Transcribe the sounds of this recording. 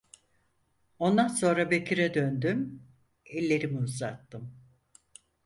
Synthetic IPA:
o̞nd̪anso̞nɾabecʰiɾɛd̪ønd̪ym | ɛlʲːe̞ɾimiuzat̪ːɯm

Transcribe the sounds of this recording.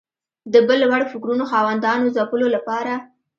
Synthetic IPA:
d̪əbəlwaɽofɪkɾunoxɑwand̪ɑnozapəlolapɑɾa

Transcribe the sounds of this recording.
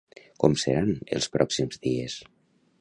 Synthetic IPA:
kɔmsə̰ɾanḛlˠspɾɔksimzðies

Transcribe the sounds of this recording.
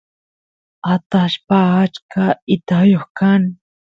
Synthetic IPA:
at̪aʃpaːt͡ʃkaɪt̪ajoχkaŋ

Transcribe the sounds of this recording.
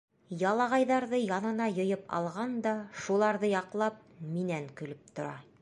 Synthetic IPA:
jɑlˠɑʁɑjðɑɾðɤjɑnɤ̆nɑjŏjɤpɑ̰lˠʁɑnd̪ɑʃulˠɑɾðɤjɑqlˠɑp̚minæŋkɵ̆lɘp̚t̪ŏɾɑ̰

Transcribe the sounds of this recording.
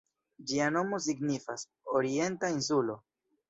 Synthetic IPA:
d͡ʒiano̞mo̞s̬iɡnifas | oɾie̞ntains̬ulo̞

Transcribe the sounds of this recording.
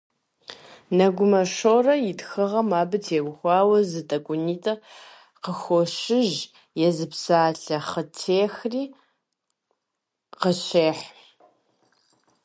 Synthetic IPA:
nɐɡʷʊmɐʃoːrɐjɪtxɨʁɐmaːbɨtʰeːɡʷʊxʷɑːwɐzɨtʼɐkʷʼʊniːtʼɐ | qəxʷɔʃɪʒ | jɛzɨpsaːɬɐχətʰeːxriː | qəɕeːħ

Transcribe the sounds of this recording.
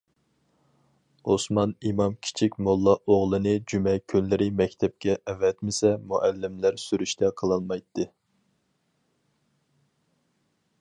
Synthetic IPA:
osmɑnimɑmkʲʰi̥t͡ʃʰikʲmolˠːɑʔoʁlˠɨnɨd͡ʒymɛkʲʰynlɪɾɪmɛkʲt̪ʰɛp̚kʲɛʔɛvɛt̪mɪsɛmuʔælːɪmlæɾsyɾyʃt̪ʰɛqʰəlˠɑnmɑjt̪ʰːɨ

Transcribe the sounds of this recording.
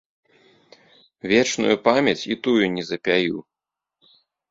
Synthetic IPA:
vʲɛt͡ʂnṵjupamʲjɐt͡sʲit̪ujunʲɛzɐpʲaju

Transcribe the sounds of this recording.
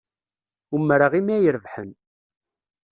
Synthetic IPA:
umːɾaʁimæjəɾəvħən

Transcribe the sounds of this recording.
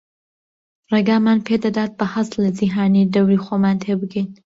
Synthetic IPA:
reɡaːmaːnpʰeːd̪ɐd̪aːt̪̚bɐhɐslɐd͡ʒiɦaːnid̪ɐwɾiːxoːmaːnt̪ʰeːbɨɡiːn

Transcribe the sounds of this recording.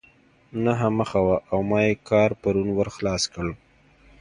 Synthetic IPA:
naɦaməxawaʔawmɑjekɑɾpaɾunwəɾxlɑskəɭ

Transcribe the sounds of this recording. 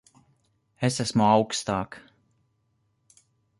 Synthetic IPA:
esæsmuawkst̪aːk

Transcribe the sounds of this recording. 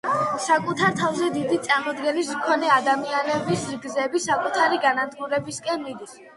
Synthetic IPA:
sakʼut̪ʰaɾt̪ʰavzɛd̪id̪it̪sʼaɾmɔd̪ɡɛnismkʰɔnɛad̪amianɛbisɾɡzɛbisakʼut̪ʰaɾiɡanad̪ɡuɾɛbiskʼɛnmid̪is

